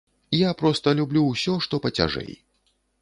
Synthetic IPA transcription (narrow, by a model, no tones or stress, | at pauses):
ijapɾɔst̪ɐlʲublʲuwsʲɔʂt̪ɔpɐt͡sʲa̰ʐɛ̰j